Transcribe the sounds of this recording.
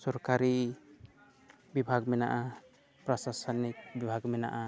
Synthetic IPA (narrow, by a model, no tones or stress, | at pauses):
sɔɾkaɾi | bibʱaɡmɛna̰ʔa | pɾɔsasɔnik̚bibʱaɡmɛnaʔa